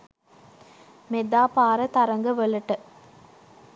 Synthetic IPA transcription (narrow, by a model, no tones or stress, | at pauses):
med̪aːpaːɾət̪ɐɾɐŋɡəʋəlɐʈə